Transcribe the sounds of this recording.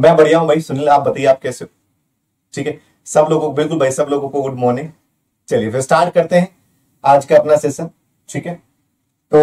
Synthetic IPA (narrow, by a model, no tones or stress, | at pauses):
mɛ̃ːbɐɽ̤ijaɦũbʱɐisʊnilaːp̚bɐt̪aːieaːp̚kɛːse | ʈʰiːkɦɛ | sɐbloːɡõkbɪlkʊlbʱɐisɐbloːɡõkoʊʈ̚ʰmoːne | t͡ʃɐliefɪsʈaːɾʈ̚kɐɾt̪eɦɛ̃ | aːd͡ʒkaɐpnasesɐ | ʈʰiːkɦɛː | t̪o